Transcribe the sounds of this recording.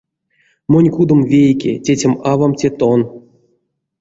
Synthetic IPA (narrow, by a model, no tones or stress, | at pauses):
monʲkud̪ŏmvʲejkʲḛtʲetʲemavamtʲet̪on